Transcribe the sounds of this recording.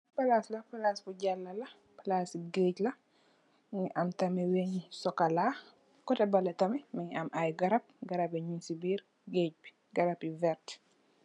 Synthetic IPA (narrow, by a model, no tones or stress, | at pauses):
pɐlaslɐpɐlasbuɟalːɐlɐ | palasiɡeːclɐ | ɲiʔɐmtɐmɛwɛɲisɔkɐlaː | kɔtɐbɐlɐtɐmɛmɐɲɐmajɡɐɾɐp̚ɡɐɾɐpiɲunsibiːɾ | ɡeːɟ̚bi̥ | ɡɐɾɐpivɛɾt